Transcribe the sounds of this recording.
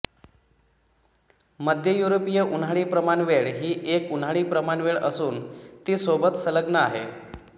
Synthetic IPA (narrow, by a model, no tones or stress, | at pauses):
məd̪ʱjəjuɾopijəʔunɦaɭiːpɾəmanʋeɭɦiːʔekunɦaɭiːpɾəmaɳʋeɭəsuːnt̪iːsobət̪sələɡnəaɦe